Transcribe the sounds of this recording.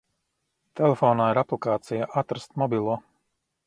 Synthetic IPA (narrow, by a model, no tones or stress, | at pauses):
t̪ɛlefɔːnaːiɾaplˠikaːt̪sijaʔat̪ɾast̪mɔbilˠuɔ